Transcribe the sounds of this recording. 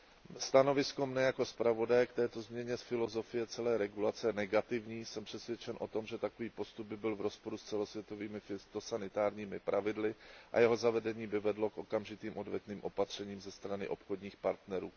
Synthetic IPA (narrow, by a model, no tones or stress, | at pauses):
st̪ano̞vɪskomnɛjako̞spɾavo̞dajɛkt̪ɛːt̪o̞zmɲɛɲɛsfɪlo̞zo̞fɪjɛt͡sɛlɛːɾɛɡulat͡sɛnɛɡat̪ɪvɲiːsɛmpr̝̥ɛsvjɛt͡ʃɛnʔo̞t̪o̞mʒɛt̪akoviːpo̞st̪ub̚bɪbɪlvɾo̞spo̞ɾust͡sɛlo̞svjɛt̪o̞viːmɪfɪst̪o̞sanɪt̪aːɾɲiːmɪpɾʔavɪdlɪʔa̰jɛɦo̞zavɛdɛɲiːbɪvɛdlo̞kʔo̞kamʒɪt̪iːmʔo̞dvɛt̪niːmʔo̞pat̪r̝̥ɛɲiːmzɛst̪ɾanɪʔo̞pxodɲiːxpaɾt̪nɛɾṵː